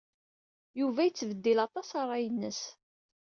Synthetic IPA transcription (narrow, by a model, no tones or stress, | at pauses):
juvæjət͡sːvəd̪ːilɑt̪ˤɑsɑɾˤɑjənːəs